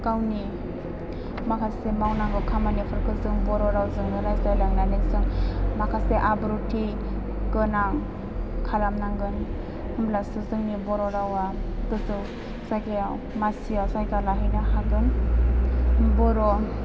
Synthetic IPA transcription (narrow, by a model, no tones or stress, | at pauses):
kawni | makʰasemawnaŋɡɯkʰamanepʰɯɾkʰɯzɯŋbɔɾɔɾawzɯŋnɯɾajzdajlaŋnanekzɯŋmakʰaseʔabɾutʰi | ɡ̥ɯnaŋ | kʰalamnaŋɡɯn | hɯmblasɯzɯŋnibɔɾɔɾawaɡɯzɯw | sakeaw | masiawsajkalaɦɯjnaɦaɡɯn | bɔɾɔ